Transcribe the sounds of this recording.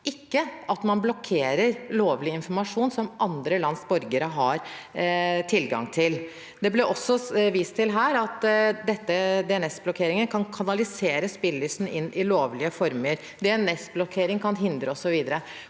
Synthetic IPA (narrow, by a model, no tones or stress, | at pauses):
ɪkːəʔɑt̪mɑnblɔkʰeːɾəɾloːʋlɪɪnfɔɾmɑʂuːnsɔmʔɑnd̪ɾəlɑnsbɔɾɡəɾəɦɑɾ | t̪ʰɪlɡɑ̰ŋt̪ʰɪl | d̪ɛblɛʔɔsːɔʋiːst̪ʰɪlɦæːɾɑt̪d̪ɛt̪ːəd̪ɛɛnɛsblɔkʰeːɾɪŋənkʰɑnkʰɑnɑlɪseːɾəspɪlːyːsn̩ɪnːʔɪloːʋlɪəfɔɾməɾ | d̪ɛɛnɛsblɔkʰeːɾɪŋkʰɑnɦɪnd̪ɾəɔsɔʋiːd̪əɾə